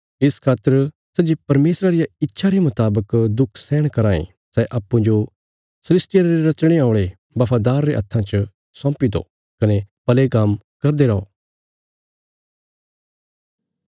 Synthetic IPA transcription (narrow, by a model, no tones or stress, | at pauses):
ɪskʰaːt̪ːəɾ | sɛd͡ʒepɐɾmeːsɾaɾɪjaɪtːʃʰaɾemʊt̪aːbəkd̪ʊkʰsɛːɽ̃kɐɾaːḛ̃ | sɛʔɐːpːũd͡ʒo | sɐlɪsʈɪjaɾɾeɾɐt͡ʃɽ̃eaːʊ̃ɽ̃e | bɐpʰaːd̪aːɾːeʔɐ̰t̪ʰːãt͡ʃə | sɔ̃ːpid̪o̰ | kɐnepɐlekamkɐɾd̪eɾɐo̰ː